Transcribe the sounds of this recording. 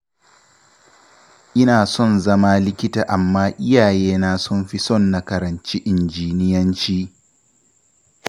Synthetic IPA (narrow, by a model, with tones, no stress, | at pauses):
ʔɪ˦naː˨sɔ˦˨nzɐ˦maː˦lɪ˦kʲɪ˦taː˨ʔa˨mːaː˦ʔɪ˦jaː˨jeː˦naː˦sɔ˦˨mɸi˦sɔ˦˨nːa˦kɐ˨ɾɐ˨nt͡ʃi˦ʔɪ˨nd͡ʒiː˦nɪ˦jɐ˦nt͡ʃiː˦